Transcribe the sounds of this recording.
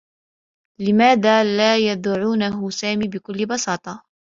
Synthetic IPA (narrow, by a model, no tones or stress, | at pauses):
lɪmaːðaːlaːjad̪ʊʕuːnaɦʊsaːmiːbɪkʊlːɪbɑsɑːt̪ˤɑ